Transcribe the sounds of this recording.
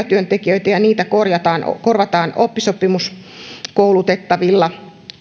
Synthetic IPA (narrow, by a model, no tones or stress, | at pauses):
ɑt̪yønt̪ekiøit̪æjɑniːt̪ækorjɑt̪ɑːn̰korʋɑt̪ɑːnopːisopimuskoulut̪et̪ːɑʋilːɑ